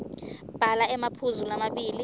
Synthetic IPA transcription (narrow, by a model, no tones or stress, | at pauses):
b̥ʱalaɛmapʰuzulamaɓiːli